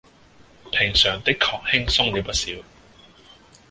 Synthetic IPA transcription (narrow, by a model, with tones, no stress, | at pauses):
pʰɪ˨˩ŋsœː˨˩ŋt̪ɪ˥kʰːɔː˨˩k̚hɪ˥ŋsʊ˥ŋne˨˧wpɐ˥t̚siː˨˥w